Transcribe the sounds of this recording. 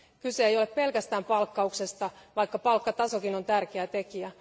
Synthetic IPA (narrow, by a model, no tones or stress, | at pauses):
kyse̞ːjo̞leppe̞lkæst̪æːmpɑlkːɑukse̞st̪ɑʋɑjkːɑpɑlkːɑt̪ɑso̞kino̞nt̪ærkeæt̪e̞kiæ